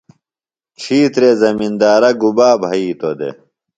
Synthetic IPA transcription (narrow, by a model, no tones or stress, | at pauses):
t͡ɕʰiːt̪ɾezɐmind̪aːɾɐɡubaːbʱɐiːt̪od̪ḛ